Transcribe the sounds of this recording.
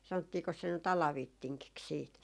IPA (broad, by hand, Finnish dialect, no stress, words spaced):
sɑnotːiːkos se nyt ɑlɑʋitːiŋkiks siːt